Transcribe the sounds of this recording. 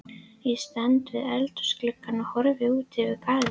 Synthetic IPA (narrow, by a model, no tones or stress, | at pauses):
jɛst̪ɛnt̪vɪðɛlt̪ʏ̥sklɪkːanahɔɾvɪuːt̪ɪvɪðkaːðɪ